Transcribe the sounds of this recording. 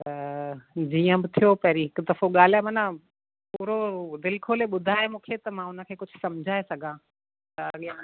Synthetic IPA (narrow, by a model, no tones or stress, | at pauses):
t̪ɐ | d͡ʑiːə̃bɪt̪ʰijopɐɦɾiɦɪkʊd̪ɐfoɠaːl̤aːmɐnã | puːɾod̪ɪlkʰoːleɓʊd̪ʱaːemũːkʰet̪ɐmãʊnə̆kʰeːkʊd͡ʑʱʊ̆sɐmd͡ʑʱaːesɐɡʱãː | t̪ɐɐɠijã